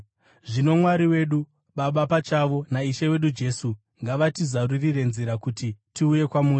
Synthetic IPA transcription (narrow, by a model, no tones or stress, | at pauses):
ʐino̞mwaɾiwe̞ːɗu | ɓaɓapat͡ʃaʋo̞naiʃewe̞ɗud͡ʒe̞su | ŋɡaʋatizaririre̞nziɾakutitiuje̞kwamuːri